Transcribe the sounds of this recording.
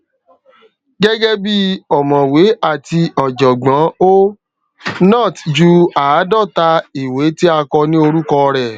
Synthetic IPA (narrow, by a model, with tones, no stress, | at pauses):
ɡɛ˦ɡɛ˦bi˦ɔ˨mɔ̃˨we˨˦a˦˨ti˧ɔ˨d͡ʒɔ˨ɡ͡bã˨˦o˦ | nã˦˨td͡ʒu˦a˨˦dɔ˦˨ta˧i˨we˨˦ti˦a˧kɔ˧nĩ˦o˧ɾu˦kɔ˧ɾɛ˨